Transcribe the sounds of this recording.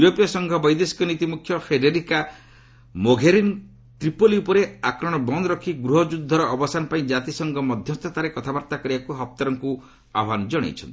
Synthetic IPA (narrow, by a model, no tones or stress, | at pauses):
uɾopijɔsɔŋɡʱɔbɔjd̪esi̥kɔnit̪imukʰjɔpʰɾeɖeɾika | moɡʱeɾin | t̪ɾipoliupɔɾeakɾɔɽ̃ɔbɔnd̪ɾɔkʰiɡɾuɦɔd͡ʒud̪ʱːɔɾɔʔːbɔsanɔpaĩd͡ʒat̪isɔŋɡʱɔmɔd̪ʱjɔst̪ʰɔt̪aɾekɔt̪ʰabaɾt̪akɔɾibakuɦɔp̚t̪ɔɾɔŋku | abʱand͡ʒɔɽ̃ḛjt͡ʃʰɔ̰nt̪i